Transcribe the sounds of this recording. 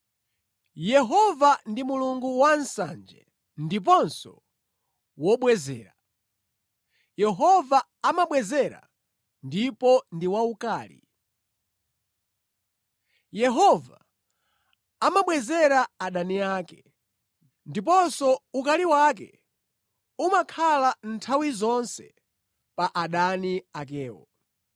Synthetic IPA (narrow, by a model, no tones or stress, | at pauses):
jɛɦɔvandimuluŋɡuwan̩sa̰nd͡ʒɛ̰ | ndip̬ɔnsɔ | wɔɓwɛzɛ̰ːɾa | jɛɦɔva | amaɓwɛzɛɾa̰ | ndipɔndiwaukaːlḭ | jɛɦɔva | amaɓwɛzɛɾaaɗaniaːkɛ | ndip̬ɔnsɔukaliwak̬ɛ̰ | umakʰalan̩tʰawizɔnsɛ | paʔaɗaniak̬ɛːwɔ̰